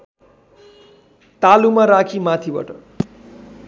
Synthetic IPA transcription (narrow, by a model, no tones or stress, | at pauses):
t̪alumaɾakʰimat̪ʰibʌ̰ʈʌ